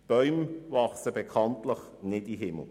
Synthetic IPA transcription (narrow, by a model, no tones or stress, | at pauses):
b̥œʏmvɑχsəbekʰɑntləχ | nɪdiɦɪml̩ˠ